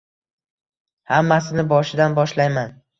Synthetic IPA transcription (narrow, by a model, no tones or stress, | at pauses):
hamːasɪnɪbɒʃɪd̪anbɒʃlajman